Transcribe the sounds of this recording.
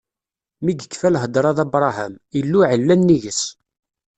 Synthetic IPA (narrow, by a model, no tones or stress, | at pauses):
miɡəkːfælɦəd̪ɾˤɑðɑbɾˤɑhæ̰milːuʕəlːænːiʝəs